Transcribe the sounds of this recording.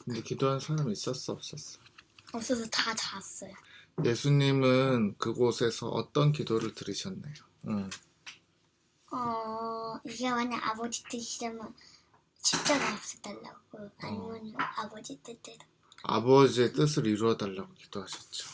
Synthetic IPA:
kɯnde̞kidoɦansʰaɾamiːs͈ʌs͈uʌp̚s͈ʌs͈ʌjoʌs͈ʰʌs̬ʰʌtat͡ɕaas͈ʌjoje̞sʰuɲimɯnkɯɡosʰe̞sʰʌ̰ʔʌ̰t͈ʌnkidoɾɯɭtɯɾiɕʰʌnːajo | ɯ | ʌ | iɡawaɲaŋʔa̰bʌd͡ʑit͈ɯɕʰid͡ʑʌmɯn | ɕʰit͡ɕ͈aɡaap̚s͈ʌt͈aɭːa̰ɡkoaɲmonabʌd͡ʑit͈ɯt͈edo | a̰bʌd͡ʑie̞t͈ɯs̬ʰɯɾiɾuʌdaɭːaɡoki̥d̥oɦaɕʰʌ̥t̚t͡ɕ͈o̥

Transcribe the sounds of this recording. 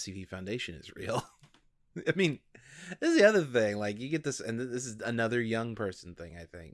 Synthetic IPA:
sivifãʊ̃ndeɪʃɨ̃nɨ̰zɹḭlˠ | aɪmĩnðɨsðiʌðə˞θɪ̃ŋlaɪk̬jɨɡɛt̪̚ðɪsɨ̰̃nððɪs̬ɨzɨnʌðə˞jʌ̃ŋpʰɜ˞sn̩θɪ̰̃ŋaɪθɪ̰̃ŋk

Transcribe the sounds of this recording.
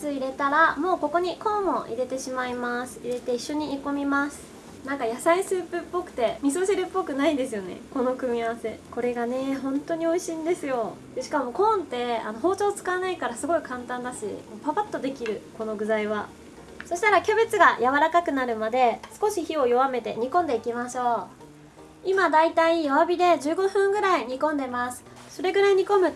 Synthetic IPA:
sɨiɾe̞t̪aɾamo̞ːko̞ko̞ɲ̟ikõ̞mːo̞ʔḭɾe̞t̪e̞ɕimaimasɨ̥iɾe̞t̪e̞iɕːo̞ɲ̟iːko̞mʲimasɨ̥ | nãŋkajasaisɨːpɯ̟pːo̞kɯ̟̥t̪e̞mʲis̬oseɾɯ̟pːo̞kɯ̟naid̪e̞sɨjo̞ne̞̰ko̞no̞kɯ̟mʲiaβase̞ko̞ɾe̞ɡane̞ɦõ̞nt̪o̞ɲ̟io̞iɕĩnd̪e̞sɨjo̞ | d̪̥e̞ɕi̥kamo̞kõ̞nt̪e̞ano̞ɦo̞ːt͡ɕo̞ːt͡sɨ̥kaβanaikaɾasɨɡo̞ikãnt̪ãnd̪aɕḭmopapat̪ːo̞d̪e̞kʲiɾɯ̟ko̞no̞ɡɯ̟zaiβ̞a | so̞ɕi̥t̪aɾakʲo̞be̞t͡sɨɡajaβaɾakakɯ̟naɾɯ̟mad̪e̞sɨ̥ko̞ɕiçio̞jo̞βame̞t̪e̞ɲ̟ikõ̞nd̪e̞ikʲimaɕo̞ː | imad̪ait̪aijo̞βabʲid̪e̞d͡ʑɨːɡo̞ɸɯ̟̃ŋɡɯ̟ɾaiɲ̟ikõ̞nd̪e̞masɨ̥ | so̞ɾe̞ɡɯ̟ɾaiɲ̟ikõ̞mɯ̟

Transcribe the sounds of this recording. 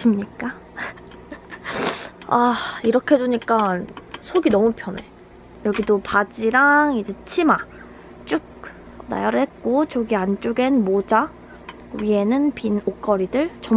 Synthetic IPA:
s͈ɯmɲik͈a | aiɾʌkʰeed͡ʑuɲik͈ansʰoɡinʌmupʰjʌne̞ | jʌɡidopad͡ʑiɾaŋid͡ʑe̞t͡ɕʰima | t͡ɕ͈uk̚ | na̰jʌɾɯɭhe̞t̚k͈ot͡ɕoɡiant͡ɕ͈uɡe̞nmod͡ʑa | ɥie̞nɯnpinok͈ʌɾidɯɭt͡ɕʌm

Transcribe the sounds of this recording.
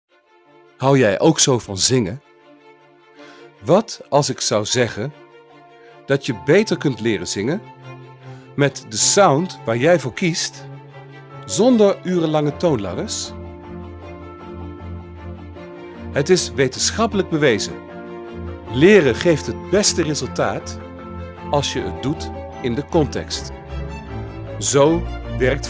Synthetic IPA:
hʌwjɛjʔowksowvɑnzɪŋən | ʋɑtɑlˠsɪksʌwzɛχən | d̥ɑtjəbejtəɹkɵntlɪːrənzɪŋən | mɛtdəsawntʋaːɹjɛjvʊːɹkist | zɔndəɹyːrəlɑŋətownla̰dəɹs | ɦətɪsʋejtənsχɑpələɡ̚bəʋejzə̰ | lɪːrəχejftɦət̚bɛstərezɵlˠtaːt | ɑlˠsjəə̰t̚dut | ɪndəkɔntɛ̰kst | zowʋɛɹk̚t

